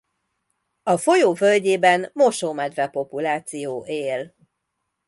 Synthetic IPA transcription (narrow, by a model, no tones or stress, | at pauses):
ɒfo̞joːvølɟeːbɛnmo̞ʃoːmɛd̪rɛpo̞pulaːt̪sijoːʔeːl